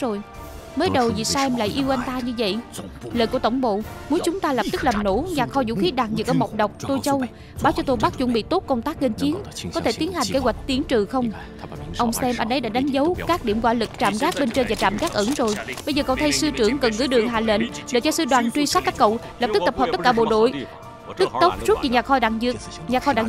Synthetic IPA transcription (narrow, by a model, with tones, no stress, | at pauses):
zo˨˩j | məː˨˦jɗə˨˩wzi˨˩sɛ˧mla̰ː˧˨jʔi˧əwʔa˧n̟t̪aː˧ɲɨ˧və̰˧˨jləː˨jku˧˩ət̪ə˧˩wŋ͡mɓo̰˧˨mu˨˦nt͡ɕʊ˨˦ŋ͡mt̪aː˧lə˨˩p̚t̪ɨ˦˥k̚laː˨˩mno̰˧˥ɲaː˨˩t̚xɔ˧zṵ˧˥xi˨˦ɗaː˨˩t̚zɨ˨˩k̚ʔəː˧˩mə˨˩wk͡p̚ɗə˨˩wk͡p̚t̪o˧jt͡ɕə˧w | ɓaː˨˦wt͡ɕɔ˧t̪o˧jɓa˦˥t̚zʊ̰˧˥ŋ͡mɓḭ˧˨t̪o˦˥t̚kə˧wŋ͡mt̪aː˦˥k̚ŋə˧nt͡ɕi˨˦ənkɔ˨˦t̪ʰe˧˩t̪i˨˦ənha˨˩ŋ̟ke˨˦ɣwa˨˩jk̟̚t̪i˨˦ənt͡ɕɨ˨˩xə˧wŋ͡m | ʔə˧wŋ͡msɛ˧mʔə˧˩nɗə˨˦jɗa̰ː˧˥ɗa˨˦ŋ̟zə˨˦wkaː˦˥k̚ɗi˧˨əmzwa̰ː˧˥lɨ˨˩k̚t͡ɕa̰ː˧˨mɣaː˦˥k̚ɓe˧nt͡ɕəː˧jvaː˨˩t͡ɕa̰ː˧˨mɣaː˦˥k̚ʔɨ˧˩ŋzo˨˩jɓə˧jzəː˨˩kə˧˨wt̪ʰə˧jsɨ˧t͡ɕɨ˧˩əŋkə˨˩nɣɨ̰˧˦ɗɨ˨˩əŋɦa̰ː˧˨lə̰˧˨nɗḛ˧˩t͡ɕɔ˧sɨ˧ɗwaː˨˩nt͡ɕwi˧sa˦˥t̚t̪a˦˥k̚ə̰˧˨w | lə˨˩p̚t̪ɨ˦˥k̚t̪ə˨˩p̚ɦə˨˩p̚t̪ə˥t̚kaː˧˩ɓo̰˧˨ɗo̰˧˨j | t̪ɨ˦˥k̚t̪ə˦˥k͡p̚zu˦˥t̚ɲi˨˩ɲaː˨˩xɔ˧ɗaː˧˨˩ŋzɨ˨˩k̚ɲaː˨˩xɔ˧ɗa̰ː˧˩ŋ